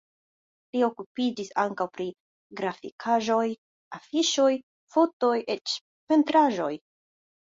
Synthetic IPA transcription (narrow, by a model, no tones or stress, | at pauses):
lio̞kupid͡ʒisaŋkawpɾi | ɡɾafikʰaʒo̞j | afiʃo̞j | fo̞to̞jʔe̞t͡ʃ | pe̞ntɾaʒo̞j